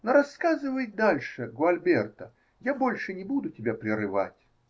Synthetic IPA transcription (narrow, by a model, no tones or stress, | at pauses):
noɾɐskazɨvəjt̪̚d̪alʲʂɨɡoɐlʲbʲert̪ə | jabolʲʂɨnʲɪbud̪ʊtʲɪbʲapɾʲɪrɨva̰tʲ